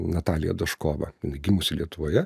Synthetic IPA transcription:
nɐt̪ɑːlʲɪjɛ̰d̪ɐʃkoːʋɐ̰jɪnɐɪɡʲɪmʊsʲɪlʲiɛt̪ʊʋoːjɛ

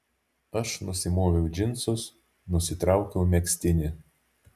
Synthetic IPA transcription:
ɐʃnʊsʲɪmoːʋʲɛʊd͡ʒʲɪnt̪sʊs | nʊsʲɪt̪ɾɑˑʊkʲɛʊmʲɛksʲt̪ʲɪnʲɪ

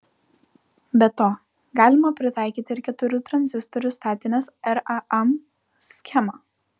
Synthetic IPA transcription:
bʲɛt̪oː | ɡɑːlʲɪmɐpʲɾʲɪt̪ɑˑɪkʲiːt̪ʲɪɪɾkʲɛt̪ʊɾʲʊt̪ɾɐnʲzʲɪst̪ɔɾʲʊst̪ɑːt̪ʲɪnʲeːsɛɾɐʔɛm | sʲkʲɛmɑː

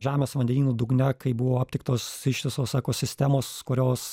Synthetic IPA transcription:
ʒʲæːmʲeːsʋɐnʲd̪ʲɛnʲiːnuːd̪ʊɡnʲɛkɐɪbʊʋoːɐp̚ʲt̪ʲɪk̚t̪oːsɪʃʋʲɪsoːsɛkoːsʲɪsʲt̪ʲæmoːskʊɾʲoːs

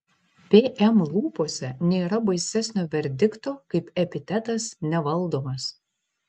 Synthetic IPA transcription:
pʲeːʔɛmlˠuːpoːsʲɛnʲeːɾɐbɐɪsʲæsʲnʲoːʋʲɛɾʲd̪ʲɪkt̪oːkɐɪpɛpʲɪt̪ʲæt̪ɐsnʲɛʋɐlˠd̪oːmɐs

